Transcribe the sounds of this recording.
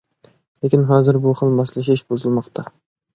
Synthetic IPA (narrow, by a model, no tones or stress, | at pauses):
lˠekʲɪnɦɑːzɪɾbuχəlˠmɑslɪk̬ʃ̬ɪʃbozɨlˠmɑqt̪ʰɑ